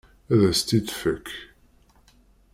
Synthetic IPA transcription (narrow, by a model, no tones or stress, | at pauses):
æðæst̪id̪fəkʰː